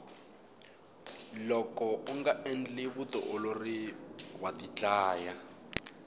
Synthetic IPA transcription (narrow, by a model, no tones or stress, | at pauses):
lɔkɔuŋɡaʔɛnd͡ɮiβutɔ̰ʔoloriwatit͡ɬʼaːja